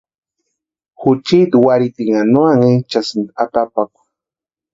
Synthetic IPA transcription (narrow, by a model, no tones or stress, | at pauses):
xʊt͡ʃid̪waɾit̪iŋanwaŋet͡ʃasind̪at̪apakʷ